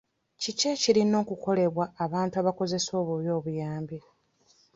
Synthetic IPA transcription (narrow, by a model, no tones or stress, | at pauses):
ciceciɾino̞ːkuko̞le̞βwaːβaːntuaβako̞ze̞so̞ːβuβjo̞ːβujaːmbi